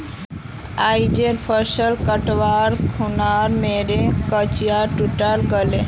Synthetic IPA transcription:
ajd͡ʒeɾpʰəɾsəlkəʈʋaɾkʰunaɾmeɾekət͡ʃijaʈuʈəɾɡəle

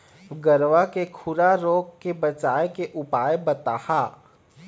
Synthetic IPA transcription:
ɡəɾʋakekʰʊɾaɾoːɡkebɐt͡ʃaːjekeʔʊpaːebɐt̪aːhaː

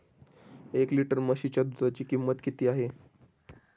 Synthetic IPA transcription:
ekliʈəɾməɕit͡ɕjad̪ud͡zat͡ɕiːkimːət̪kit̪iːaɦe

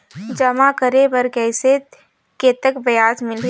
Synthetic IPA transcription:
d͡ʒɐmakəɾebəɾkɛːse | ket̪əkbɐjaːsmɪlɾ

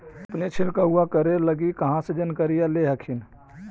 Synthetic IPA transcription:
ɐpnet͡ʃʰɪlkaɦuakəɾeləɡikɐɦãsed͡ʒənkəɾijaleɦɐkʰɪn

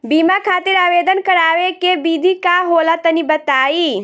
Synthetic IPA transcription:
biːmakʰaːt̪ɪɾaːʋeːd̪ənkɐɾaːʋekebiːd̪ʱikaːɦoːlat̪ɐnibɐt̪aːiː

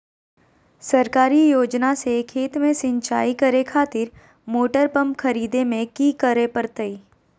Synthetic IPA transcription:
sɐɾkaːɾijoːd͡ʒnasekʰeːt̪mẽsɪ̃ɲt͡ʃaːikɐɾekʰaːt̪ɪɾ | moːʈəɾpɐ̃mpkʰɐɾiːd̪emẽkikəɾepəɾt̪əiː

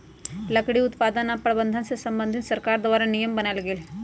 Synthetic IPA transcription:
lɐkɽiʊt̪paːd̪ənapɾɐbənd̪ʱansesɐmbənd̪ʱit̪sɐɾkaːɾd̪ʋaːɾanijəmbənəlɡeːl

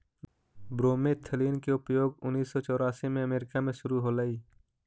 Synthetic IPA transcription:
bɾoːmet̪ʰəliːnkeʊpjoːɡʊnːiːsːɔt͡ʃɔːɾaːsimẽɐmeːɾɪkamẽʃʊɾuɦolaːiː

